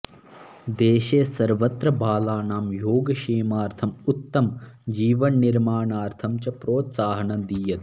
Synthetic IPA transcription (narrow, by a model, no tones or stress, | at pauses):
d̪eːʃeːsɐɾʋɐt̪ɾɐbʱaːlaːnaːmjoːɡɐʃeːmaːɾt̪ʰɐmut̪ːɐmd͡ʒiːʋɐɳːiɾmaːɳaːɾt̪ʰɐmt͡ʃɐpɾoːt̪saːɦɐɳɐd̪iːjɐd̪